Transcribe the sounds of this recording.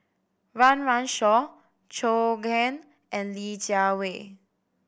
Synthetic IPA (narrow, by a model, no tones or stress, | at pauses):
ɹãnɹãnʃɔ | t͡ʃoɡɛ̃n | ʔɛ̃nlid͡ʒawe